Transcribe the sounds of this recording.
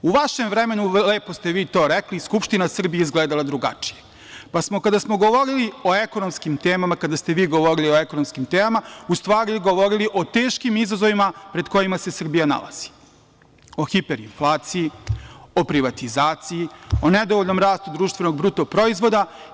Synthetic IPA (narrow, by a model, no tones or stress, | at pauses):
uʋaʃemvɾeme̞nuleːpo̞st̪e̞ʋiːt̪o̞ːɾekliskupʃt̪inasr̩bijeizɡleːd̪alˠad̪ɾuɡa̰t͡ʃi̥je̥ | pasmo̞kad̪asmo̞ɡo̞ʋo̞ɾilio̞eko̞no̞mskimt̪eːmamakad̪ast̪eʋiːɡo̞ʋo̞ɾilio̞ekono̞mskimt̪eːmamaust̪ʋaːɾiɡo̞ʋo̞ɾiliʔo̞t̪e̞ːʃkimizazoʋimapɾe̞d̪ko̞jimase̞sr̩bijana̰la̰z̥i̥ | o̞xipe̞ɾinflˠaːt̪sijio̞pɾiʋat̪izaːt̪sijio̞ned̪oʋoʎʲnomɾaːst̪ud̪ɾuːʃt̪vʋe̞no̞ɡbɾut̪opɾo̞izʋo̞d̪a